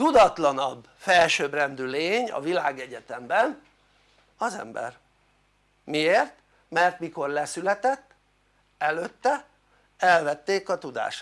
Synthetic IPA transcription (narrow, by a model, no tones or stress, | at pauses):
t̪ud̪ɒt̪lɒnɒb | fɛlʃøːbrɛnd̪yleːɲɒ̰vilaːɡɛɟɛt̪ɛmbɛn | ɒzɛ̰mbɛ̰r | mieːrt̪ | mɛrt̪miko̞rlɛsylɛt̪ɛt̪ː | ɛløt̪ːɛ | ɛlvɛt̪ːeːkɒt̪ud̪a̰ːʃ